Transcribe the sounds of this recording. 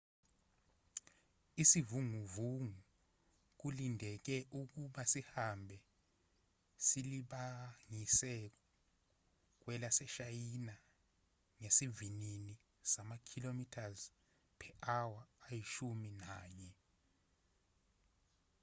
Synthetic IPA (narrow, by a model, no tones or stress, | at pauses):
isivuŋuvuŋu | k̬ulindʱɛk̬ɛʔuk̬uɓasihambʱɛ | siliɓaŋisɛk̬ɔ | k̬wɛlasɛʃajina | ŋesivinini | samakʰilomitʰaz | pʰɛʔawaːjiʃuminaːɲɛ